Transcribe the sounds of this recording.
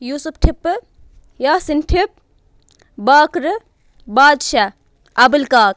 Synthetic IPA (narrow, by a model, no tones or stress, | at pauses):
juːsupʈʰipː | jaːsinʈʰip̚ | baːkɾɨ | baːd̪ʃa | ɐbɐlkaːk̚